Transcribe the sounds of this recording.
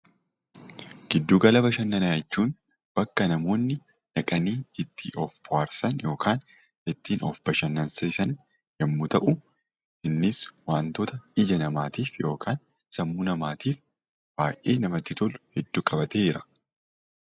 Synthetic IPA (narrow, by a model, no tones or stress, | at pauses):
ɡ̥ɪd̪ːuːɡɐlɐbɐʃɐnːɐnaːjt͡ʃːuːn | b̥ɐkːɐnɐmo̞ːnːɪ | nɐkʼɐniːɪt̪ʰːɪʔɔfb̥ʊwaːɾsɐnjo̞ːkʰaːn | ɪt̪ːiːnɔ̰fb̥ɐʃɐnːɐnsɐsɐn | jɛmːʊt̪ɐʔʊ | ɪnːɪswaːnt̪oːt̪ɐɪd͡ʒɐnɐmaːt̪iːfjo̞ːkʰaːn | sɐmːunɐmaːt̪iːf | b̥aːjʔḛːnɐmɐt̪ːɪt̪ɔlʊhɛd̪ːuːkʼɐbɐt̪eɪɾɐ